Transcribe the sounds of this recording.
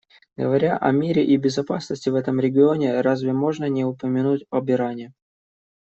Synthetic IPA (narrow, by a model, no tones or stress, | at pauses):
ɡəvɐɾʲaʔɐ̰mʲiɾʲɪʔibʲɪzɐpasnəsʲtʲɪvɛt̪əmɾʲɪɡʲɪo̞nʲɪɾazvʲɪmo̞ʐnənʲɪʊpəmʲɪnutʲɐbʲɪɾanʲɪ